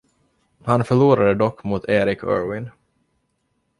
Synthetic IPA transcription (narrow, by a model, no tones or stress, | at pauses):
hanfœɭuːɾad̪əd̪ɔkːmʊt̪ʰeːɾɪkʰœ̰ːɹwɪn